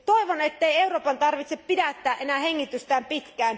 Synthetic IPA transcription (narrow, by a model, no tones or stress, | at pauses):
t̪oiʋonet̪ːeieuroːpɑnt̪ɑrʋit̪seppidæt̪ːæːʔʔenæheŋːit̪yst̪æːmpit̪kæːn